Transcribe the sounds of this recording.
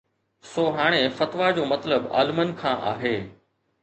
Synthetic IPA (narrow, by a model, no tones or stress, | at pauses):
soːɦaːɽ̃efɐt̪ʋad͡ʑoːmɐt̪ləba̰ːlmənkʰãːʔa̰ːɦeː